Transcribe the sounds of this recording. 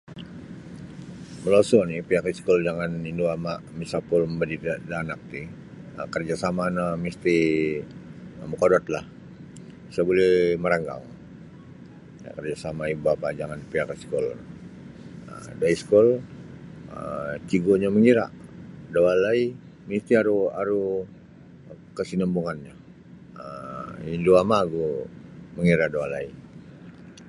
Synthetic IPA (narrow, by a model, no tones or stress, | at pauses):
məlosɔnipiakiskɔld͡ʒaŋaninduamaʔmisapʊlməmbədidanak̚t̪i | əkərd͡ʒasamanamist̪i | mukodɔt̪̚la̰h | sabolɛhməɾaŋɡa̰ŋ | ja̰kərd͡ʒasamaibuapad͡ʒaŋanpiakiskɔl | ə̰daiskɔl | ət͡ʃiɡoɲaməŋiɾa̰ʔdawalai | mist̪iaɾuaɾu | kəsinəmbuŋanɲa | əinduamaɡuməŋiɾadawalai